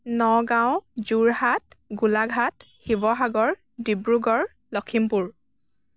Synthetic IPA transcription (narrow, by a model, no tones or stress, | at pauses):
nɔɡãw̃zuɹhat̚ɡulaɡʱat | xibɔɦaɡɔɹ | dibɹuɡɔɹ | lɔkʰimpuɹ